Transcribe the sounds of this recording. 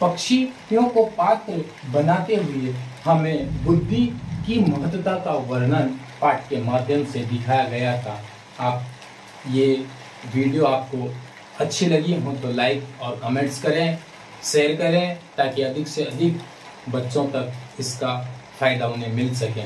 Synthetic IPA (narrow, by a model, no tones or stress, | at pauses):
pɐkʃijõkopaːk | bɐnaːt̪eɦʊehɐmẽbʊd̪ʱːikimɐɦət̪ːwət̪akaʋɐɾnən | paːʈ̚kemaːd̪ʱjəmsed̪ɪkʰaːjaɡɐjat̪ʰa | aːp̚ | je | ʋiːɖijoaːp̚ko | ɐtːʃʰelɐɡieɦɐ̃mt̪olaːɪkɔːɾkɔːmẽːɳʈskɐɾẽ | ʃeːəɾkɐɾẽt̪aːkiɐd̪ʱɪkseɐd̪ʱɪk | bɐtːʃõt̪ɐkɪskafʰaːɪd̪aʊnẽmɪlsɐkẽː